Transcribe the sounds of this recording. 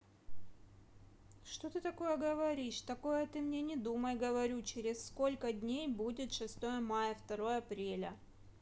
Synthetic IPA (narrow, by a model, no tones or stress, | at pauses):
ʂt̪o̞t̪ɨt̪ɐko̞jəɡəvɐɾʲiʂt̪ɐko̞jət̪ɨmnʲenʲɪd̪uməjɡəvɐɾʲut͡ɕeɾʲɪsːko̞lʲkədʲnʲejbudʲɪt̪ʂɨst̪o̞jəmajəft̪ɐɾo̞jəɐpɾʲelʲə